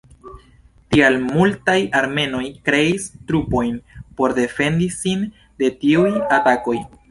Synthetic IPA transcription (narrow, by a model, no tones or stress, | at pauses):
tialmultajaɾme̞no̞jkɾe̞istɾupo̞jnpo̞ɾde̞fe̞ndisin | de̞tiujatako̞j